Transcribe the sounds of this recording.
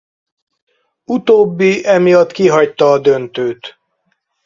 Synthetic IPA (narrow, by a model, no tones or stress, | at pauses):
ut̪oːbːiʔɛmijɒt̪kiɦɒct̪ɒːd̪ø̞nt̪øːt̪